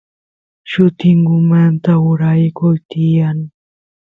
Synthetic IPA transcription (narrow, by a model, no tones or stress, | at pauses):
ʃʊt̪ɪŋɡʊmant̪aʊɾajkʊjt̪ɪjaŋ